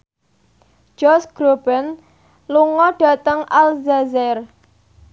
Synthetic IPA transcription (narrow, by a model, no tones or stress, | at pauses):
d͡ʒ̥ɔsɡ̥ɾob̥ɛn | luŋɔɖ̥a̤t̪əŋalzazɛr